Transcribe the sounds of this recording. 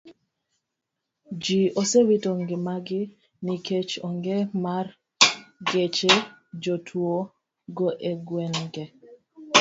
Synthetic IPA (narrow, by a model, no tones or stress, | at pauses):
d͡ʒiosewitoŋɡɪmaɡɪ | niket͡ʃɔŋɡemar | ɡet͡ʃed͡ʒotʰwo | ɡoʔeɡwɛnɡe